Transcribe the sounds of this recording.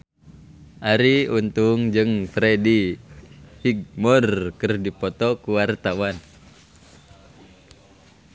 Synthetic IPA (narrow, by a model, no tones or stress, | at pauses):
ʔaɾiunt̪uŋd͡ʒɨŋfɾɛdi | hiɡ̚mɔrkɨrdipɔt̪ɔkuwart̪awan